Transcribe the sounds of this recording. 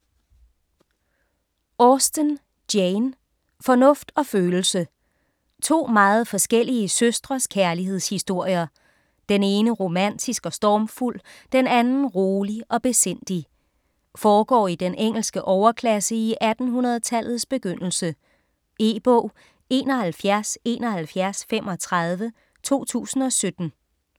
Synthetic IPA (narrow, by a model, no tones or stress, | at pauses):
ɔsd̥ən | d̥jeɪn | fɒ̽nɔ̽fd̥ɒ̽føːl̩sə | t͡sʰo̝̰ːmɑ̈ːð̞̩ˠfɒ̽sɡ̥el̰iəsøsd̥ʁɐskʰæɐliɦe̝ð̞̰ˠshisd̥o̝ɐ̰jɐ | d̥ene̝ːnəʁo̝mæn̰d̥isɡ̥ɒ̽sd̥ɒːmful̰d̥enænn̩ʁoːliʔɒ̽b̥e̝sen̰d̥i | fɒːɡ̥ɒ̰ːid̥enʔeŋ̰l̩sɡ̥əʔɒʊɐkʰlæsəiʔæd̥n̩ɦunɐð̞̩ˠt͡sʰæl̰ð̞̩ˠsb̥e̝ɡ̥øn̰l̩sə | e̝ːb̥ɔ̰ʊ̰ | e̝ːnɒ̽hælfjæɐse̝̰ːnɒ̽hælfjæɐsfemʔɒ̽t͡sʰʁɑð̞ˠʋə | t͡sʰo̝̰ːt͡sʰṵːsn̩ɒ̽sød̥n̩